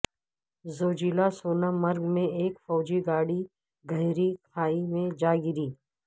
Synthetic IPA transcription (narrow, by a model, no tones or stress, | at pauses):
zoːd͡ʒiːlasoːnamɐɾɡmẽeːkfɔːd͡ʒiɡaːɽi | ɡʱɐɦɾikʰaːimẽd͡ʒaːɡɪɾiː